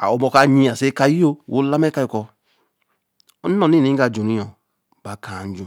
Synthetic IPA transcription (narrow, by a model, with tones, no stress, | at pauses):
a̰˨o˨mɔ˧ka˨˧ɲi˧a˨se˦ka˧˦ji˦o˧˨wo˨˦la˦mɛ˦ka˧ji˧kɔ˧ | ɔ˦n˦ɔ˦˨ni˦˨nĩ˨˦ɡa˧˨d͡ʒu˨ni˦jɔ˨ | ba˨ka˨n̩˦d͡ʒu˨